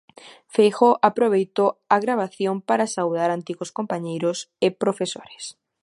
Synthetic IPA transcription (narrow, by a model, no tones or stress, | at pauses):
fejxoʔapɾoβejt̪oaɣɾaβ̞aθjompaɾasawðaɾant̪iɣoskompaɲejɾʊsɪpɾofeso̰ɾe̥s